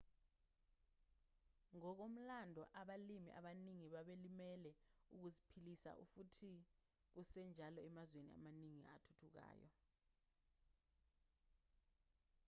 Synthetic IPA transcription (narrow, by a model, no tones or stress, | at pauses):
ŋɔk̬om̩landʱɔʔaɓalimḭʔa̰ɓaniŋiɓaɓelimɛlɛuk̬uzipʰilisa̰ʔṵfutʰi | k̬usɛnd͡ʒʱalɔɛmazwenia̰maniŋiatʰu̥tʰuk̬a̰ːjɔ̰